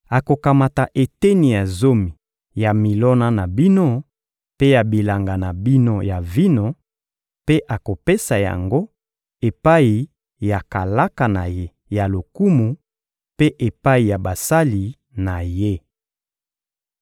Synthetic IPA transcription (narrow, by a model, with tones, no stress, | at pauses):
a˨ko˨ka˨ma˨ta˨ʔe˨te˦ni˨ja˨zo˦mi˨ | ja˨mi˨lɔ˦na˦na˨bi˦no˦ | pe˦ja˨bi˨la˨ŋɡa˨na˨bi˦no˦ja˨vi˦no˦ | pe˦ʔa˨ko˨pe˦sa˨ja̰˨ŋɡo˦ | e˨pa˦i˨ | ja˨ka˨la˦ka˨na˨je˦ | ja˨lo˨ku˦mu˨ | pe˦ʔe˨pa˦i˨ja˨ba˨sa˦li˨ | na˨je˦